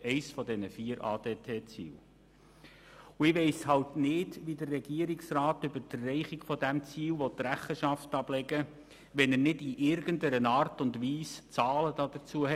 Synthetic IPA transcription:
ɛɪsfɔdɛnəfiːəɾɑ̰ːd̥eːtʰeːt͡sḭːl | ʊɪʋɛɪshɑltnɪdʋidərːɛɡiəɾɪksrɑːtʏbəɾd̥əːɛɪχiɡfɔdæmt͡siːlʋɔtːɾæχəʃɑftɑb̥lɛɡə | ʋɛnəɾnɪdiʔɪɾɡəndəɾənɑːrtʊndʋiːst͡sɑːləd̥ɑd̥ət͡suəhɛ

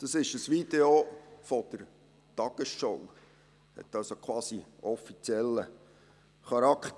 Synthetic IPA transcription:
d̥ɑsɪʃəsʋid̪eofɔd̥əɾ | tɑɡ̥əsʃow | hɛ̰t̪ːɑlsokʰwɑːsiɔfit͡sjɛlːə | χɑɾɑkχt

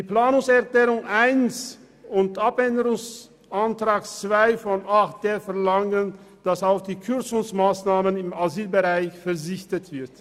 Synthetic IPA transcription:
d̥iːplaːnʊŋsɛɐklɛːʁʊŋʔaɪns | ʊntʔapɛndəʁʊŋs | ʔantʁ̥aːkt͡sv̥aɪfɔnʔaχt̚d̥eːfɛɐlaŋən | d̥asaʊfd̥iːkʰʏʁt͡sʊŋsmaːsnaːmənɪmaziːlbəʁaɪçfɛɐzɪçtətv̥ɪɐt

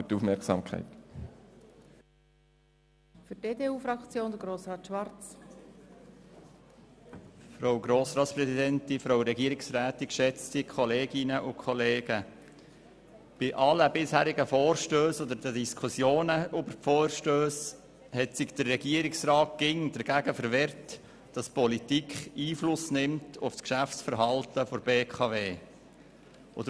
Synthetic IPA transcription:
tuːfmɛɾksɑ̰mkʰa̰ɪt | fydeːdeːuːfɾɑkt͡sjoːnd̪əɡɾoːsʁɑːt̪ʃʋɑɾt͡s | fɾowɡɾoːsɾɑːt̪spɾɛsid̪ɛnt̪ifɾowɾɛɡiəɾiksɾæːt̪ikʃɛt͡stikʰɔleːɡɪnəʔʊkʰχɔleːɡə | b̥ɪʔɑləbɪshæːɾɪɡəfoːrʃtøːsod̪əɾd̥ədiskʰusjoːnəøbəɾfoːɾʃtøːs | hɛtsɪɡd̥̪ərːɛɡiəɾɪksrɑːt̚ɡ̥ɪŋd̥̪əɾɡ̥æɡəfəɾʋɛɾt | d̥ɑspɔlitikχiːflʊsnɪmtʰʊfskʃæfsfəɾɦɑltəfɔɾbeːkʰɑveː | ʔo̰d̪ə

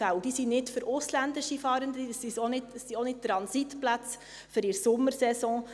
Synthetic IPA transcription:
æwd̥isinɪtfʏɾʊslænd̪ɪʃifɑːɾəndəsisonɪtsionɪt̚t̪ɾɑnsitplæt͡s | fʏɾɪɾsʊmːəɾsɛsɔ̃ː

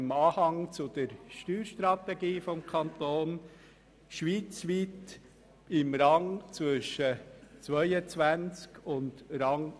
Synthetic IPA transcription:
mɑːhɑŋt͡sʊd̥̪əɾʃtyːɾʃt̪ɾɑt̪ɛɡiːfɔmkʰɑnt̪oːn | ʃʋiːt͡sʋit | ɪmɾɑŋt͡svʏʃət͡svœʏət͡svænt͡skʊntɾɑŋ

